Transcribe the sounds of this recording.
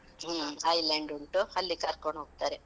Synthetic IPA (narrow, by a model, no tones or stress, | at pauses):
ɦːɐjleːɳɖuɳʈuhɐlːikaːɾkoɳɦoːɡ̚t̪aːɾe